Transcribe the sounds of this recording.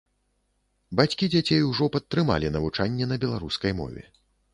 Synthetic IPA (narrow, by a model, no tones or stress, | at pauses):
bat͡sʲkʲid͡zʲat͡sʲejuwʐɔpɐt̪ːɾɨma̰lʲinɐvut͡ʂanʲːɛnɐbʲɛlˠaɾuskɐjmɔ̰vʲɛ̰